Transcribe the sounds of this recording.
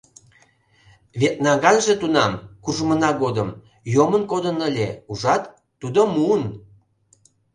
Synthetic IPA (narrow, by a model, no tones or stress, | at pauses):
βet̪̚nɑɡɑnʒet̪unɑmkuʒmənɑɡod̪əm | jomənkod̪ənəlʲeuʒɑt̪ː | ud̪omuən